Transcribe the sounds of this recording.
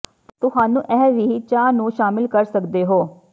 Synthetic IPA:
t̪ʊhaːnũːʔɛːʋiːt͡ʃaːnũːʃaːmɪlkəɾsəkd̪eːɦoː

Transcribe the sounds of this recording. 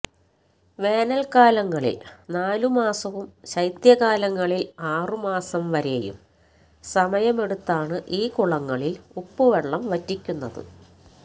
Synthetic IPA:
ʋe̞ːnɐlkaːlɐŋːɐɭḭlnaːlumaːsɐʋumɕɐjt̪jɐɣaːlɐŋːɐɭilaːrɨmaːsɐmʋɐɾejṵm | sɐmɐjɐme̞ɽut̪ːaːɳɨʔiːkuɭɐŋːɐɭilupːuʋeɭːɐmʋɐtːikʲːunːɐðɨ̰

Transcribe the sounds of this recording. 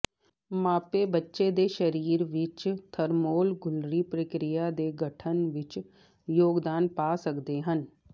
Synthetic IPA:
maːpebətːʃed̪eːʃəɾiːɾʋɪt͡ʃt̪ʰəɾmoːlɡʊlɾiːpɾəkɾɪjad̪eːɡʱəʈʰənʋɪt͡ʃ | joːɡd̪aːnpaːsəkd̪eɦən

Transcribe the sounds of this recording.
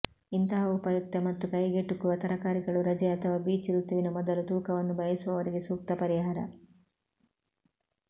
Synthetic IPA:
int̪ɐɦɐupɐjuk̚t̪ɐmɐt̪ːukɐjɡeʈːukuʋɐt̪ɐɾɐkaːɾiɡɐɭuɾɐd͡ʒɛɐt̪ʰɐʋaːbiːt͡ʃiɾut̪ːiʋinɐmɔd̪ɐlud̪uːkɐʋɐnːubʱɐjɐsuʋɐʋɐɾiɡe̞suːk̚t̪ɐpɐɾiɦaːɾɐ̰

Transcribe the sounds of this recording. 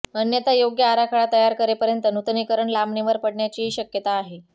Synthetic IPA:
ənjət̪ajoɡjəaɾakʰaɭat̪əjaɾkəɾepəɾjənt̪ənut̪nikəɾəɳlamɳiʋəɾpəɽɳjat͡ɕiːɕəkjət̪aːɦe

